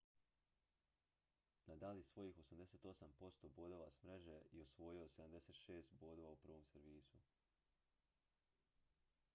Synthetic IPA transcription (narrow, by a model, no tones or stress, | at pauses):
nad̪alisʋo̞jiːxo̞samd̪e̞set̪o̞sampo̞st̪o̞bo̞d̪o̞ʋa̰smɾeʒeiosʋo̞jiose̞d̪amd̪ese̞ːt̪ʃe̞ːst̪bo̞d̪oʋaupr̩ʋo̞mseɾʋiːsu